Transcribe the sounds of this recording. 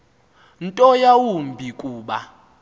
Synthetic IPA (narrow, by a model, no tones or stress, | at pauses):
ntʼɔjawumbʱikʼuːɓa